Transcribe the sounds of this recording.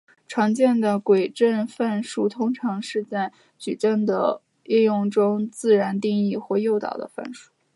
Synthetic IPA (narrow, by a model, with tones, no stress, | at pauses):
ʈ͡ʂʰwɑ˧˥ŋt͡ɕjɛ˥˩nd̪ə˩kwe˨˩ɪʈ͡ʂə˥˧nfa˥˧nʂu˥˩t̪ʰʊ˥ŋʈ͡ʂʰɑ˧˥ŋʂɻ̩˥˧t͡sa˥˩ɪ | t͡ɕy˨˩ʈ͡ʂə˥˩nd̪ə̰˩ | ɛ˥˧jʊ˥˩ŋʈ͡ʂʊ˥ŋt͡sɹ̩˥˩ɻa˧˥nt̪i˥˧ŋi˥˧xwɔ˥˧jo˥˩ʊt̪ɑ̰˨˩ʊd̪ə̰˦fa̰˥˩nʂu̥˥